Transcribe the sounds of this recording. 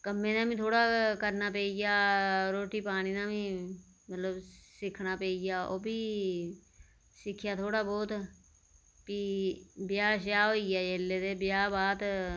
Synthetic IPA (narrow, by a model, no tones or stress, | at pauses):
kəmːẽːnaːmĩːt̪ʰoːɽaːkəɾnaːpeːiɡaːɾoːʈiːpaːñiːnãːmĩː | mət̪ləbsɪkʰnaːpeːiɡaːoːbiː | sɪkʰːjaːt̪ʰoːɽaːbɔːt̪ | piːbɪjaːʃjaːɦoːiɡaːjeːlːeːd̪eːbɪjaːbaːt̪